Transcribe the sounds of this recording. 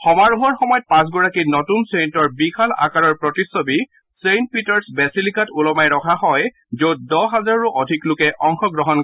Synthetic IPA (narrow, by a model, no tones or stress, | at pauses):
xɔmaɹuɦɔɹxɔmɔjɔt̚pãs̬ɡʊɹakinɔtunsentɔɹbixʰala̰kaɹɔɹpɹɔtisɔbi | sent̚pitɔɹsbɛsilikatulɔmajɹɔkʰaɦɔj | zot̚dɔɦazaɹɹuʔɔdʱiklʊkɛʔɔŋxɔɡɹɔɦɔn